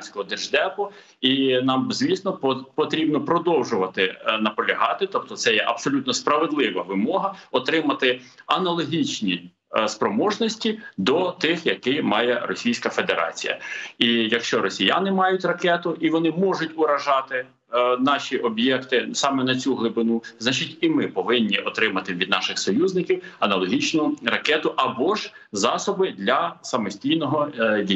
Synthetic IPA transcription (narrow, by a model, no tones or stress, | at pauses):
nsʲkɔɦɔd̪ɪʒd̪ɛpɔ | inɑmzʲʋʲisnɔppɔt̪ɾʲibnɔpɾɔd̪ɔwʒʊʋɐt̪ɪnɐpɔlʲɐɦɑt̪ɪt̪ɔp̚t̪ɔt̪sɛjɛʔɐbsɔlʲut̪nɔspɾɐʋed̪lˠɪʋɐʋɪmɔɦɐɔt̪ɾɪmɐt̪ɪɐnɐlˠɔɦʲit͡ʃnʲi | spɾɔmɔʒnɔsʲtʲid̪ɔt̪ɪxjɐkɪmɑjɛrɔsʲijsʲkɐfed̪eɾʔɑ̰t͡sʲḭjɐ̰ijɐkʃt͡ʃɔɾɔsʲija̰nɪmɑjʊtʲrɐkɛt̪ʊʔiʋɔnɪmɔʒʊtʲʊɾɐʒɑt̪ɪ | nɑʃʲiʔɔbjɛkt̪ɪsɑmɛnɐt͡sʲuɦlˠɪbɪnuznat͡ʃɪtʲimɪpɔʋɪnʲːiʔɔt̪ɾɪmɐt̪ɪʋʲid̪̚nɑʃɪxsɔjuzʲnɪkʲiwɐnɐlˠɔɦʲit͡ʃnʊrɐkɛt̪ʊʔɐbɔʒzɑsɔbɪd̪lʲɐsɐmɔsʲtʲijnɔɦɔjʲi